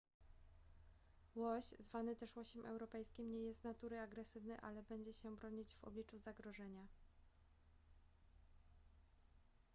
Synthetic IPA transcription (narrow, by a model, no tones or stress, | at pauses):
wɔɕzvanɘt̪ɛʂwɔɕɛmʔɛ̰wɾɔpɛjskʲimɲɛjɛst̪nat̪uɾɘaɡɾɛsɘvnɛʔa̰lɛbɛɲd͡ʑɛɕɛbɾɔɲid͡ʑvɔ̰blʲit͡ʂuzaɡɾɔʐɛɲa